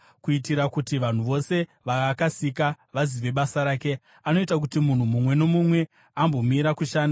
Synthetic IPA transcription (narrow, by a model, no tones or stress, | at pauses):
kuitiɾakutiʋan̤uʋo̞se̞ | ʋaakasika | ʋaziʋe̞ɓasaɾaːke̞ | ano̞itakutimun̤umumwe̞no̞mumwe̞ | ambo̞miɾakuʃaːna